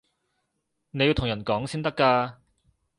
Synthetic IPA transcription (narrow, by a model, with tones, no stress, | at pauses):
ne˨˧ji˧t̪ʰjɐ˨˩nkɔː˨˥ŋsiː˥nt̪ɐ˥kːaː˧